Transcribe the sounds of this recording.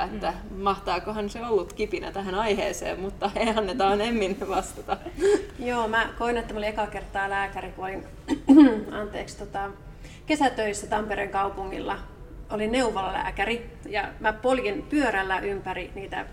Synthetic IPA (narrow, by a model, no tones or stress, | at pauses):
et̪ːæ | mɑht̪ɑːkohɑnseolːut̪kipinæ̰t̪æhænɑihḛːsḛːmmut̪ːɑeɑnːet̪ɑːnemːinʋɑst̪ɑt̪ɑjoːmækoinet̪ːæmoliekɑkert̪ːˑɑːlæːkærikuolin | ɑnt̪eːkst̪ot̪ɑ | kesæt̪øisːæt̪ɑmpeɾeŋkɑupuŋːḭlːɑ | olinneuʋolːɑlæ̰ːkærijɑmæpoljinpyøɾælːæʔympæriniːt̪æ̰